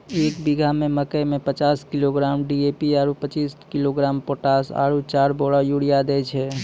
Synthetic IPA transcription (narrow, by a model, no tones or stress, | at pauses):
eːkbiɡʱamẽməkəjmẽpət͡ʃaːskɪloɡɾaːmɖieːpiaːɾupət͡ʃiːskiloɡɾaːmpoːʈaːsa̰ːɾut͡ʃaːɾboːɽajuɽijad̪ɛːt͡ʃʰɛ